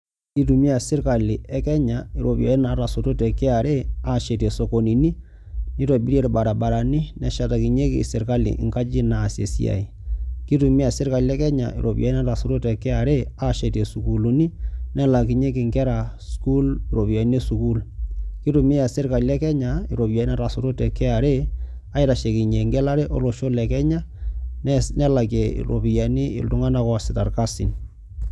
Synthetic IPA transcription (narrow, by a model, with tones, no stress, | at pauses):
ki˦t̬u˨mi˦a˨sɪ˦ɾka˨li˨ɛ˦kɛ˦ɲa˨i˨ɾo˨pja̰˨i˦na˨˦ta˨so˨to˦tɛ˨kɪ˦a˨ɾʔe˦a˦˨ʃe˨te˨so˨ko˨ni˨ni˦ | ni˦to˨bi˦ɾe˦ɾba˨ɾa˨ba˨ɾa˨ni˦nɛ˦ʃa˨ta˨ki˨ɲe˦kḭ˨sɪ˨ɾka˦lḭ˨ʔŋka˦t͡ʃi˦na˨sje˨sḭ˦a̰˨i˨ki˦tu˨mi˦a˨sɪ˦ɾka˨li˦ɛ˦kɛ˦ɲa̰˨ḭ˨ɾʔo̰˨pja˨˦i˦na˦ta˨so˨to˦tɛ˨kɪ˦a˨ɾe˦a˦ʃe˨te˨su˨ku˨lu˨ni˦nɛ˦la˨kɪ˨ɲe˦kɪ˨ŋɡɛ˦ɾa˨sku˦lɪ˨ɾo˨bi˨ja˨i˦ne˦su˨ku˦lki˦tu˨mi˦a˨sɪ˦ɾka˨lɛ˦kɛ˦ɲa˨ḭ˨ɾo˨ja˨i˦na˦ta˨sɾo˦tɛ˨kɛ˦a˨ɾe˦ | a˨˦ɪ˦ɾa˨ʃe˨ki˨ɲe˨ŋɡɛ˦la˦ɾe˦ʔo̰˦lo˨ʃo˦lɛ˨kɛ˦ɲa˦ | nɛ˦la˨kḛ˨ɾo̰˨pi˨ja˨˦ni˦ɪ̰˨ltʊ˦ŋa˦na˦kɔ˦a˨sɪ˨ta˨rka˦sḭ˨n